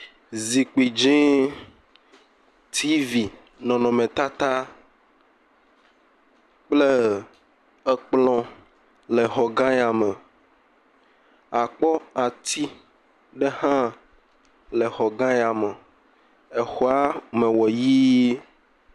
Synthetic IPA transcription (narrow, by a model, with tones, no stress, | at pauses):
zi˨k͡pi˨d͡ʒĩ˦ | t̪ʰi˦vi˨ | nɔ̃˨nɔ̃˨mẽ˨t̪a˦t̪a˦ | k͡ple˦ | ɛ˦k͡plɔ̃˦ | lɛ˨xɔ˨ɡã˦ja˨me˨ | a˨k͡pɔ˦a˨t̪ʰi˦ | ɖe˦hã˦ | le˨xɔ˨ɡã˦ja˨me˨ | e˨xɔ˦a˦mẽ˨wɔ˨jiː˦